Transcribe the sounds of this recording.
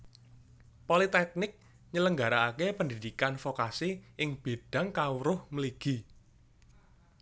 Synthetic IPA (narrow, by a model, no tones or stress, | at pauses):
polit̪ɛk̚nɪk̚ | ɲələŋɡa̤ɾaːkepəndid̪̥ikanfokasiʔɪŋb̥e̤d̥a̤ŋkawɾʊhməliɡ̥i̤